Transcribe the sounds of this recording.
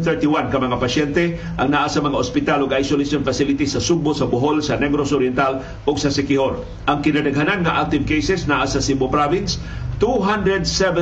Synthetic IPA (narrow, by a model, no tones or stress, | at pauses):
θɛ˞t̪iwankɐmɐŋapɐʃɛnt̪ɛ | ʔaŋnaʔasɐmɐŋaʔospɪt̪aloɡajsolɪsonfasɪlɪt̪isɐsʊɡ̚bosɐbʊɦolsɐnɛɡɾosoɾjɛnt̪al | oɡsɐsɪkɪhoɾ | ʔaŋkɪnad̪ɐɡɦananŋaʔak̚t̪ɪvkejsɛsnaʔasɐsɪmbopɾavɪns | t̪uɦãnd̪ɹɛd̪sɛvɛ